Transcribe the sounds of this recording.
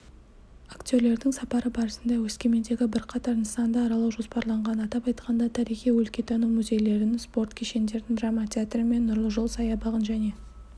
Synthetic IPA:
akt̪ʲo̞ɾle̞ɾd̪ɪŋsɑpɑɾəbɑɾəsənd̪ɑwɵskʲe̞me̞nd̪e̞ɡʲɪbɪɾqʰɑt̪ɑɾnsɑnd̪ɑːɾɑlˠɑwʒo̞spɑɾlˠɑɴʁɑnɑt̪ɑpɑjt̪qʰɑnd̪ɑt̪ʰɑɾijχijwɵlkʲe̞t̪ʰɑnumʊzʲe̞jle̞ɾd̪ɪnspo̞rt̪kʲʰeʃe̞nd̪e̞ɾd̪ɪŋd̪ramat̪ʲʰeat̪rəme̞nːʊɾlˠəʒʊlˠsɑjɑbɑʁənʒæne̞

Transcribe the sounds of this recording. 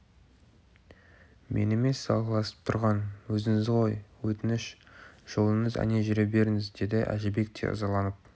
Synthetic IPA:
mʔe̞̰neme̞sːɑlˠʁlˠɑsə̥p̚t̪ʰʊɾʁɑnwɵzɪŋɪzʁo̞jwɵt̪ɪnɪʃʒ̥o̞lˠəɴəzæ̰ne̞ʒʏɾebe̞ɾɪŋɪzd̪e̞d̪ɪʔæ̰ʒɪbe̞k̚t̪ʰḛʔɑ̰zɑlˠɑnəp̚

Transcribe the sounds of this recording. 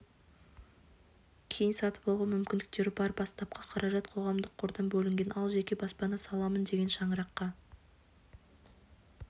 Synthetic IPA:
kʲʰe̞jɪnsɑt̪ə̥polˠʁɑnmʏmkʲɪnd̪ɪ̥k̚t̪e̞ɾɪbɑɾbɑst̪ɑp̚qʰɑqʰɑɾʔɑʒɑt̪qʰo̞ʁɑmd̪əqʰːoɾd̪ɑnbɵlɪŋɡʲe̞nʔɑlˠʒe̞kʲe̞bɑspɑnɑsɑlˠɑmənd̪e̞ɡʲe̞nʃɑɴəɾɑqːɑ

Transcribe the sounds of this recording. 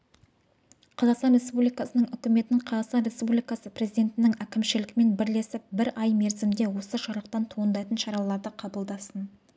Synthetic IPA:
qʰɑzɑqst̪ɑnɾʲe̞spublijkɑsənəɴʏkʲɪme̞t̪ɪnɪŋqʰɑzɑqst̪ɑnɾʲe̞spublijkɑsəpɾezijd̪ʲe̞t̪ɪnɪŋækʲɪmʃɪlɪkʲme̞nbɪɾle̞sɪp̚bɪɾɑjme̞ɾzɪmd̪e̞wo̞səʒɑɾəqt̪ɑnt̪ʰoənd̪ɑjt̪ənʃɑɾɑlˠɑɾd̪əqʰɑbəlˠd̪ɑsən

